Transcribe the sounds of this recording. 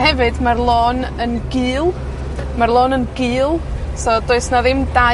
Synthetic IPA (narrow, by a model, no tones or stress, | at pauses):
hɛvɨdmarlˠoːnənɡ̥iːlˠ | marlˠoːnənɡiːlˠ | sɔdoɨsnaðɪmda